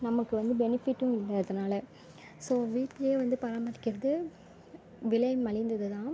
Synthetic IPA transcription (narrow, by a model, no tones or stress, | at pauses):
nɐmɐkːɯʋɐnd̪ɯbɛnɪfɪʈːʊ̃ɪlːɐːðɐnaːlɐ | soːʋiːʈːɐeːʋɐnd̪ɯpɐɾaːmɐɾɪkːɪɾɐðɯ | ʋɪlɐjmːɐɭɪnd̪ɐðɯt̪ãː